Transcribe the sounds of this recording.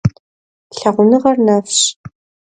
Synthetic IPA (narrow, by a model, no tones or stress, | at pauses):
ɬɐʁʷʊnɨʁɐrnaːfɕ